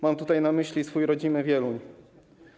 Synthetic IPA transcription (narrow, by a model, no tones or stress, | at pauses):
mamt̪ut̪ajnamɘɕlʲisfujɾɔd͡ʑinɘvʲjɛluɲ